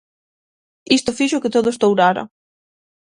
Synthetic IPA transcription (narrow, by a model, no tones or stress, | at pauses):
ist̪ʊfiʃʊkɪt̪oðost̪owɾaɾɐ̰